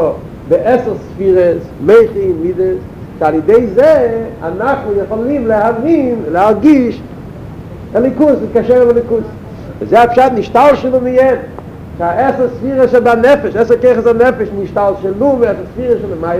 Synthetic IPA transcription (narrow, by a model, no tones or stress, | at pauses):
dɪʔɛsəʁsfiɾəsmeɪχəɪnmidəs | ʃalˠjɪdeɪzea̰naχləjeχɔlˠimlɪhavinlɪaɾɡiʃ | ɛlɪkusɪskaʃɛɾəlɛlˠɪkus | ɪzeɪhapʃatnɪʃtalˠʃɪlˠumɪjɛn | ʃaʔɛsəʁsfiːʁəsɛdanɛfɛʃɛsəʁkeɪχəsanɛfɛʃnɪʃtalˠʃɪlumɛsəsfiːʁəsʃɪləmaɪ